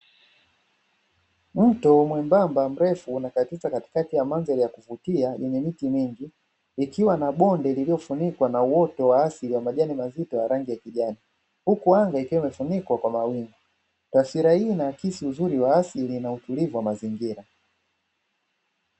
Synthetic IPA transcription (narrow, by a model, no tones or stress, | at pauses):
m̩tɔmwɛmbambam̩ɾɛfuːnakatizakati̥katijamanzaɾijakuvutiajɛɲɛmitimiŋɡiː | kiwanaɓɔndɛlilijɔfunikwanauɔtɔwaːsiliwamaʄanimazitɔjaɾaŋɡijakiʄani | hukuaŋɡaikiwɛmɛfunikwakwamawiŋɡu | tafiɾahiːnaːkisiuzuɾiwaasilinautulivuwamaziŋɡiɾa